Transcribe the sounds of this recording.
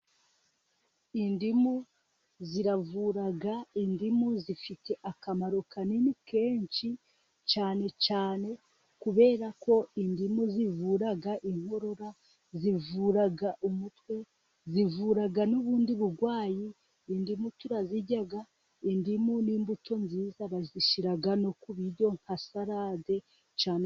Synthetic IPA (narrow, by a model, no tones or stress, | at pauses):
indimu | ziɾavuɾaɡaindimuzifite̞ʔakamaɾukʰanimike̞ːɲt͡ʃi | t͡ʃaːne̞t͡ʃaːne̞ | kuβe̞ːɾako̞indimuzivuːɾaɡaʔiŋ̥ho̞ɾo̞ɾa | zivuɾaɡaʔumutwe̞ | zivuːɾaɡanuβuːndiβuɡwaːjiː | ndimutuɾaziɟaɡa | indimuniːmbutʰo̞nziːzaβaziʃiɾaɡanokuβiɾɟo̞ŋ̥hasaɾade̞ | t͡ʃaːne